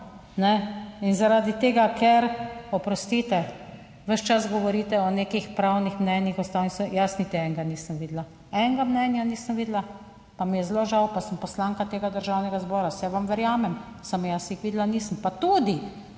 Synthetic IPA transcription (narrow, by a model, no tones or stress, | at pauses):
nɛinzaɾad̪it̪eːɡakʰɛɾɔpɾɔst̪iːt̪ɛ | ʋəʃt͡ʃasɡɔʋɔɾiːt̪ɛɔneːkixpɾawnixmnɛnjixɔst̪awnisjasnit̪iɛŋɡaniːsəmʋiːd̪la | ɛŋɡamnɛnjaniːsəmʋiːd̪la | pamijɛzloʒawpasəmpɔslaːŋkat̪eːɡad̪əɾʒawnɛɡazbɔːɾasɛʋamʋɛɾjaːmɛm | samjasixʋiːd̪laniːsəmpat̪ud̪i